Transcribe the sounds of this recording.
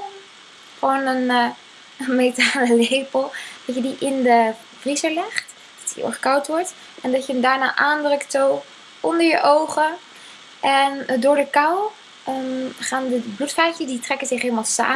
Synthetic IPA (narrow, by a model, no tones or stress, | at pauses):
fɔnən | metaːləlejpəlˠd̥ɑtjədiʔɪndə | vrizəɹlɛχt | d̥ɑtɪ̰əχkawtʋɔɹt | ɛndɑtjəəmdaːɹnaːʔaːndrəktow | ʔɔndəɹjəʔowχən | ʔɛndʊːɹdəkaw | əχaːndəblutfajtjəsditrɛkənzɪχɦeːlmalˠsa̰ː